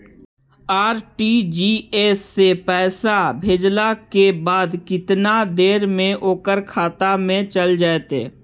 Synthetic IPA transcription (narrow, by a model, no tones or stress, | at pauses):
aːɾʈiːd͡ʒiːeːsːepɛːsabʱeːd͡ʒlakebaːd̪kɪt̪nad̪eːɾmẽʔoːkəɾkʰaːt̪amẽt͡ʃəld͡ʒaːet̪ḛː